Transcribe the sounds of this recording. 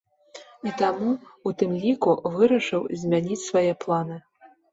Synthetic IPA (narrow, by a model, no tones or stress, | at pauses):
it̪amuut̪ɨmlʲikuvɨɾɐʂɨwzʲmʲanʲit͡sʲsvajɛplˠanɨ